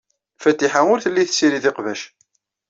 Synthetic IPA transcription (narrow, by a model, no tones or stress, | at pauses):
fæt̪ːiħaʊɾθəlːiθsiɾiðɪqvæʃ